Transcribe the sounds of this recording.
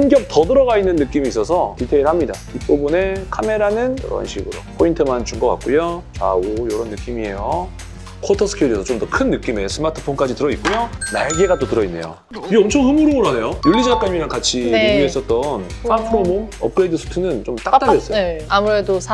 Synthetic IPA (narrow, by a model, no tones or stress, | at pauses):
sɯnɡjʌk̚tʌdɯɾʌɣainːɯnːɯk͈imiːs͈ʌsʰʌtitʰeiɭhamɲida̰ | ip͈ubune̞kʰame̞ɾanɯnjʌ̰ɾʌ̰nɕʰiɡɯɾo̰pʰointʰɯmant͡ɕuŋɡʌk͈a̰k͈̚ujot͡ɕa̰ojʌɾʌnːɯk͈imie̞jo | kʰotʰʌsʰɯ̥kʰeɾesʰʌt͡ɕomdʌkʰɯnːɯk͈ime̞sʰɯmatʰɯ̥pʰonk͈ad͡ʑitɯɾʌit̚k͈ujona̰ɭɡeɡat͈otɯɾʌinːe̞̰jo̰ | iɡʌmt͡ɕʰʌŋɦɯmuɾooɾɦanejojuɭːid͡ʑak͈amiɾankat͡ɕʰiiɡiɦes͈ʌt̚t͈ʌnsʰapʰɯɾomoʌ̰p̚kɯɾeidɯsʰu̥tʰɯnɯnt͡ɕomt͈akat͈aes͈ʌjamuɾe̞dosʰ